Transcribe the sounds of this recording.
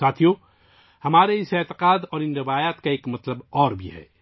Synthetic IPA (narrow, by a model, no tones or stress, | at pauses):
aːt̪ʰijõ | hɐmaːɾeɪseːt̪ɪ̥qaːd̪ɔːɾɪ̃nɾɪʋaːjaːt̪kaeːkmɐt̪ləbɔːɾbʱḭɦɛ̰ː